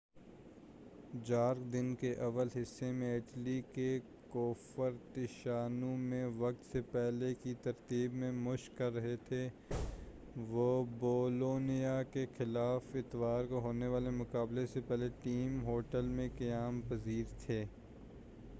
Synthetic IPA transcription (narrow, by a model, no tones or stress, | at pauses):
d͡ʒaːɾkd̪ɪnkeʔɐʋəlɦɪsːemẽɪʈlike | koːfəɾt̪ɪʃaːnumẽʋɐk̚t̪sepɛɦlekit̪ɐɾt̪iːbmẽmʊʃkɐlɾːɐɦet̪ʰe | ʋoːboːloːnijakexɪlaːfɪt̪ʋaːɾkoɦoːneʋaːlemʊkaːblesepɛɦleʈiːmɦoːʈəlmẽkɐjaːmpɐziːɾt̪ʰeː